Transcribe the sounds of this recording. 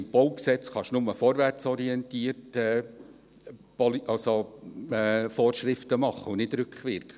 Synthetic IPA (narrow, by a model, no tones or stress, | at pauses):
mb̥oʊksɛt͡sχɑʃnʊməfɔːɾʋært͡sɔɾiɛntiərtɛ | pɔliʔɑlsoɛfoːrʃrɪftəmɑχəunɪdɾʏkχʋɪɾkχə